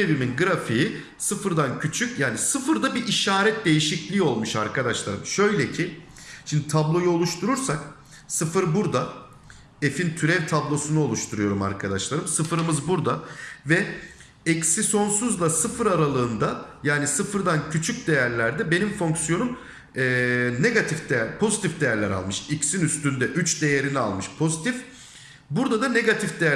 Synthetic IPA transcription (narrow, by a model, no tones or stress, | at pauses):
ebiminɡɯɾafiji | sɯfɯɾd̪ancʰyt͡ʃʰycjaːnisɯfɯɾd̪abiʔiʃaːɾɛt̪̚d̪e̞jiʃiclʲiːo̞lˠmuʃaɾkʰad̪aʃlˠaɾɯmʃø̞jlʲɛcʰɪ | ʃimd̪it̪ʰablˠo̞juo̞lˠuʃt̪ʰuɾuɾsak | sɯfɯɾbuɾd̪a | efint̪ʰyɾɛvt̪ʰablˠo̞sunuo̞lˠuʃt̪ʰuɾujo̞ɾuma̰ɾkʰad̪aʃlˠaɾɯmsɯfɯɾɯmɯzbuɾd̪avɛ | ɛcsiso̞nsuzlˠasɯfɯɾaɾalˠɯːnd̪ajaːnisɯfɯɾd̪ancʰyt͡ʃʰyc̚d̪e̞jæɾlʲæɾd̪ɛbe̞nimfo̞ŋksjo̞num | ɛːne̞ɡat̪ʰifd̪ejpʰo̞zit̪ʰifd̪e̞jæɾlʲɛɾa̰lˠmɯʃicsinyst̪ynd̪ɛʔyt͡ʃd̪e̞jeɾinia̰lˠmɯʃpʰo̞zit̪ʰif | buɾd̪ad̪ane̞ɡat̪ʰifd̪e̞jæ